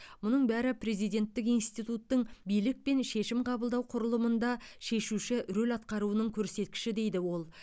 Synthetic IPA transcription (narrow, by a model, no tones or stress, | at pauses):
mʊnəɴbæɾɪpʰɾe̞zijd̪e̞nt̪ːɪkijnst̪ijt̪ut̪ːəɴbijlɪk̚pe̞nʃe̞ʃɪmqʰɑbəlˠd̪ɑwqʰʊɾəlˠəmənd̪ɑʃe̞ʃuʃɪʔɾolʲɑt̪̚qɑɾuənəɴkʲʰɵɾse̞t̪̚kʲɪ̥ʃɪd̪e̞jd̪ɪwo̞lˠ